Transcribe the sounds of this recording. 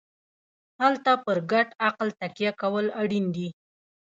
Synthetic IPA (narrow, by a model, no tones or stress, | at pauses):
halt̪apəɾɡaʈaqlt̪akijakawəlaɽind̪i